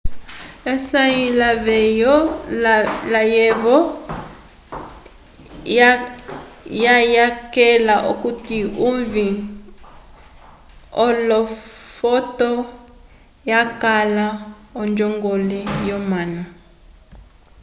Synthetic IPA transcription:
ɛsailaβɛjɔ | lajɛβɔ | jajakɛlaʔo̰kutiuɱvi | ɔlɔfɔtɔ | jakala | ɔnd͡ʒɔŋɡɔlɛjɔmana

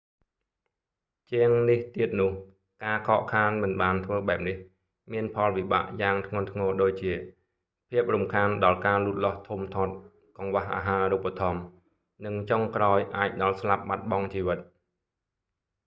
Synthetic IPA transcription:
t͡ɕiəŋniht̪iət̪̚nʊ̆əh | kaːkʰɑːʔkʰaːnmɨnɓaːnt̪ʰʋəːɓaɛp̚nih | miənpʰɑlʋiɓa̰ːʔjaːŋt̪ʰŋŭənt̪ʰŋɔːɗoːc̚t͡ɕiə | pʰiəp̚rumkʰaːnɗɑlkaːluːt̪̚lŏht̪ʰumt̪ʰoːt̪̚ | kɑŋʋaɦʔa̰ːɦaːɾupːat̪ʰɑm | nɨŋt͡ɕoŋkraɔjʔaːc̚ɗɑlslap̚ɓat̪̚ɓɑŋt͡ɕiːʋɨt̪̚

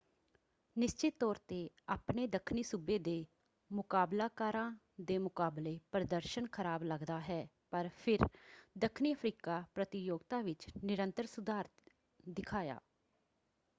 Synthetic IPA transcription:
nɪst͡ʃɪt̪ːɔːɾt̪eː | aːpneːd̪əkʰniːsʊbeːd̪eː | mʊkaːblaːkaːɾãː | d̪eːmʊkaːbleːpəɾəd̪əɾʃənkʰəɾaːbləɡd̪aːɦɛː | pəɾpʰɪɾd̪əkʰniːəpʰɾiːkaːpɾət̪ɪjoːɡt̪aːʋɪt͡ʃnɪɾə̃nt̪əɾsʊd̪aːɾ | d̪ɪkʰaːja̰ː

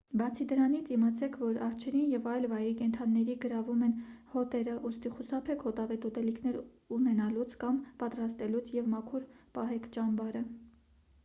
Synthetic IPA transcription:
bɑt͡sʰid̪əɾɑnit͡sʰimɑt͡sʰɛkʰvɔɾɑɾt͡ʃʰɛɾinjɛvɑjlvɑjikɛnt̪ʰɑnːɛɾiɡəɾɑvumɛnhɔt̪ɛɾəʔust̪iχusɑpʰɛkʰhɔt̪ɑvɛt̪ut̪ɛlikʰnɛɾ | unɛnɑlut͡sʰkɑmpɑt̪ɾɑst̪ɛlut͡sʰjɛvmɑkʰuɾpɑɦɛkʰt͡ʃɑmbɑɾə

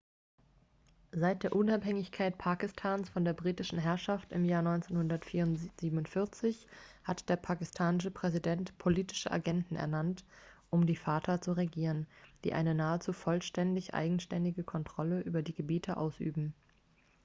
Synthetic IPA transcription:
zaɪt̚d̥eːɐʔʊnaphɛŋɪçkʰaɪtpʰaːkɪstʰaːnsfɔndeːɐbʁiːtɪʃn̩ɦɛɐʃaftɪ̰mjaːɐnɔʏnt͡senhʊndɐtfiːɐʊnz̥iːbm̩ʊntfɪɐt͡sɪçhatd̥eːɐpʰakɪstʰaːnɪʃəpʁ̥ɛzidɛntpʰoliːtɪ̥ʃəʔa̰ɡɛntn̩ʔɛ̰ɐnantʔʊmdiːfaːtʰɐt͡suʁeɡiːʁənd̥iːʔa̰ɪnənaːət͡suːfɔlʃtɛndɪçʔa̰ɪɡŋ̩ʃtɛndɪɡəkʰɔntʁ̥ɔləʔyːbɐdiːɡəbiːtʰəʔa̰ʊsʔy̰ːbm̩

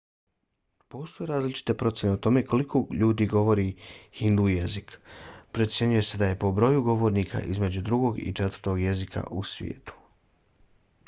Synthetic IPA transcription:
po̞ːst̪o̞jeɾaːzlit͡ʃi̥t̪e̞pɾo̞t̪sje̞ne̞ot̪o̞meko̞likʰoʎuːd̪iːɡo̞ʋo̞ɾihind̪uːje̞zikpɾet̪sje̞ɲuje̞se̞d̪aje̞po̞bɾo̞juɡo̞ʋo̞ːɾniːkʰa̰ʔizme̞d͡ʑud̪ɾuɡo̞ɡḭt͡ʃet̪əɾt̪o̞ɡje̞zikʰa̰ʔusʋʲjḛːt̪u̥

